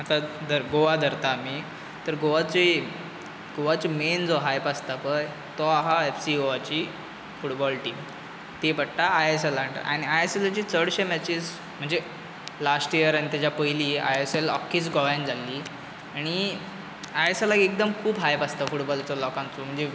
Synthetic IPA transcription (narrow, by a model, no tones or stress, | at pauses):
at̪ad̪əɾɡoʋad̪ʱəɾt̪aːmi | t̪əɾɡoʋat͡si | ɡoʋat͡ɕimend͡zɔɦajpast̪apəj | t̪ɔaɦaefsioʋat͡ɕiː | fuʈbɔlʈiːm | t̪epəɽʈaːjeselaɳʈə̰ɾa̰ɽ̃iajeselat͡ɕiːt͡səɽɕemat͡ɕis | m̤əɳd͡ze | lasʈijəɾaɽ̃it̪at͡ɕjapəjliːa̰jeselɔ̰kʰːisɡɔʋãnd͡zalːiː | aɽ̃i | ajeselaɡiek̚d̪əmkʰuːbɦajpast̪afuʈbɔlat͡ɕalɔkãnt͡sum̤əɳd͡ze